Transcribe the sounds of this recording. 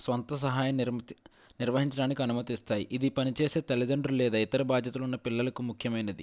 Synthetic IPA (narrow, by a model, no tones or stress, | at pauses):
sʋɐnt̪ɐs̬ɐɦaːjɐmɾ | niɾʋɐɦiɲt͡ʃɐɽaːnikʲiɐnumɐt̪ist̪aːjiʔid̪ipɐnit͡ʃeːse̞ːt̪ɐlid̪ɐɳɖɾulɛːd̪aːit̪ɐɾɐbaːd̪jɐt̪ulunːɐpilːɐlɐkumukʰjɐmɐjnɐd̪ḭ